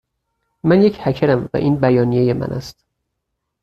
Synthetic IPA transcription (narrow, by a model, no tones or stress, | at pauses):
mænjecʰhæcʰeɾæmvæ̰ʔiːnbæjɒːnije̞je̞mæ̰nʔæ̰st̪